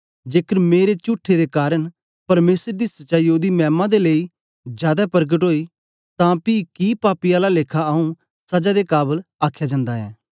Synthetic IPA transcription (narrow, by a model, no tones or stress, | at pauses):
d͡ʒeːkəɾmeːɾet͡ʃʊːʈʰːed̪ekaːɾəɳ | pɐɾmeːsəɾd̪isɐtt͡ʃaːijoːd̪imɛ̃ːmãd̪elei | d͡ʒjaːd̪apəɾɡəʈɦoːiː | t̪ãpikipaːpiaːlaleːkʰaɐũ | sɐd͡ʒad̪ekaːbəlaːkʰjad͡ʒãːnd̪aɦɛ̰ː